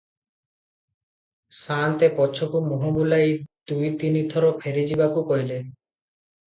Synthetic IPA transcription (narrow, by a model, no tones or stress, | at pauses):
sant̪epɔt͡ʃʰɔkumoɦobulajd̪ujt̪init̪ʰɔɾɔpʰeɾid͡ʒibakukɔɦjle